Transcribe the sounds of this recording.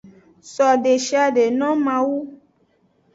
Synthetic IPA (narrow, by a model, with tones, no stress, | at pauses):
sɔ˨ɖe˨ʃi˦a˨ɖe˨nɔ̃˦mã˨wu˦